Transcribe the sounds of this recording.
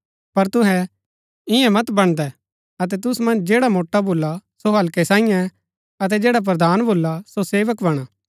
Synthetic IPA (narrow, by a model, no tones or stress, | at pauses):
pɐɾt̪ʊɦɛ | ɪ̃ɛ̃mɐt̪bɐɽ̃d̪ɛ | ɐt̪̬ɛt̪̬ʊsmɐ̃nd͡ʒd͡ʒeːɽamoːʈːabʱoːlːasoɦɐlkɛsãːɪjã | ɐt̪̬ɛd͡ʒeːɽap̬ɾɐd̪aːnbʱoːlːasoseːʋəkbɐɽ̃aː